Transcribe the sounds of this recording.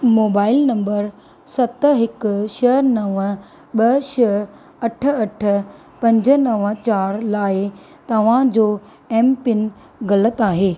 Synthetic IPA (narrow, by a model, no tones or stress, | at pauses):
moːbaːɪlnɐ̃mbəɾ | sɐt̪̆ɦɪkʃɐɦnɐʋə | ɓɐʃɐɦ | ɐʈʰə̆ɐʈʰə̆ | pɐ̃ɲd͡ʑənɐʋə̆t͡ɕaːɾlaːɪ | t̪ɐʋ̤ãd͡ʑoː | eːmpɪn | ɣɐlət̪aːɦeː